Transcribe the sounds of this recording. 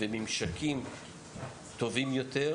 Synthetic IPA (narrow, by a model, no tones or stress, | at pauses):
vemimʃakʰim | t̪o̞vimjot̪e